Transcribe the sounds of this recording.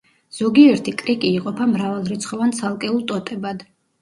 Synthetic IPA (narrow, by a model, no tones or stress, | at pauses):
z̥ɔɡiɛɾt̪ʰikʼɾikʼiːqʼɔpʰamɾavalˠɾit̪sʰχɔvant̪sʰalˠkʼɛulˠt̪ʼɔt̪ʼɛbad̪